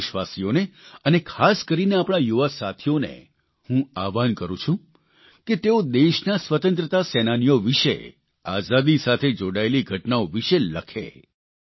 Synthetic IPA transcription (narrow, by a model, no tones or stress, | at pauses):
ʃʋasioneənekʰaskəɾineapɽ̃ajuʋasat̪ʰijonḛ | hũaʋankəɾũt͡ʃʰũ | ket̪eod̪eʃnasʋət̪ə̃nt̪ɾət̪asɛnanijoʋiʃe | azad̪isat̪ʰed͡ʒoɽaeliɡʱəʈnaoʋiʃeləkʰḛ